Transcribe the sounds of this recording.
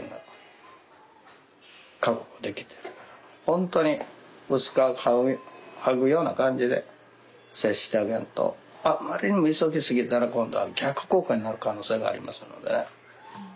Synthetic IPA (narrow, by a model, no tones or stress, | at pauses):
ŋɡa | kakoɡod̪e̞kʲi̥t̪e̞̥ɾɯ̟hõ̞nt̪o̞ɲ̟i | ɯ̟sɨ̥kaahaɡɯ̟jo̞ːna̰kãɲ̟d͡ʑid̪e̞̰ | seɕɕi̥t̪eaɡẽ̞̰nt̪o̰ | amːaɾʲiɲ̟imɯ̟isoɡʲisɨɡʲit̪aɾakõ̞nd̪o̞a̰ɡʲakːɯ̟̥ko̞ːkaɲ̟inaɾɯ̟kano̞ːse̞ːɡa̰ːɾʲḭma̰sɨno̞̰d̪e̞